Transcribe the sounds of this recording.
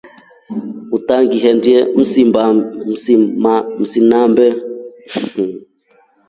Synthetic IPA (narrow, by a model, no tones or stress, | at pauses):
utaŋɡiɦɛndiɛm̩sibaimam̩sinambɛ